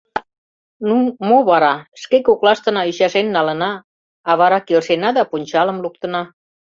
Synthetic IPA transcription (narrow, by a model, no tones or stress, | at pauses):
numoβɑɾɑʃkekoklɑʃt̪ə̆nɑyɕɑʃenːɑlə̆nɑː | βɑɾɑkelʃenɑd̪ɑpunʲt͡ɕɑlə̆mluk̚t̪ə̆nɑ